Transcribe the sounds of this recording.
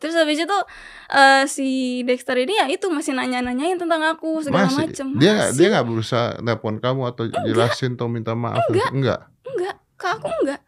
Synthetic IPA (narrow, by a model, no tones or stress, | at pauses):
t̪ɾus̬abid͡ʒat̪u | ʔəːsidɛkst̪aɾinijait̪umasɪhnaɲanaɲaɪnt̪ənt̪aŋakus̬əɡaasma̰t͡ʃəmdiaɡa̰diaŋɡaʔbəɾusanapɔnkamuat̪awd͡ʒəlasɪnt̪omint̪ama̰ʔa̰fŋɡaʔəŋɡa̰ʔ | əŋɡaʔ | kaːkuəŋɡaʔ